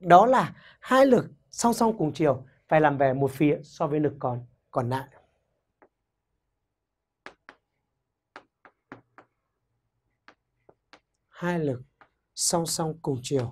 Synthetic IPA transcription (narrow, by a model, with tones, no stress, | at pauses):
ɗɔ˨˦laː˨˩ | haː˧jlɨ˨˩k̚ | sa˧wsa˧wŋ͡mkʊ˨˩ŋ͡mt͡ɕi˨˩əw | fa̰ː˨jlaː˨˩mvɛ˨˩mo˨˩t̚fi˨˦əsɔ˧vəː˨˦jlɨ˨˩kːɔ˨˦n | kɔ˨˩nːa̰ː˧˨j | haː˧jlɨ˨˩k̚ | sa˧wŋ͡msa˧wŋ͡mkʊ˨˩ŋ͡mt͡ɕi˨˩əw